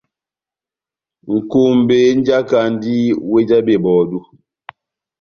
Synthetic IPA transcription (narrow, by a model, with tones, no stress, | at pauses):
ŋ̩˨ku˦˨m˨be˦n̩˦d͡ʒa˦ka˨n˦di˦we˦d͡ʒa˦be˨bɔː˨du˦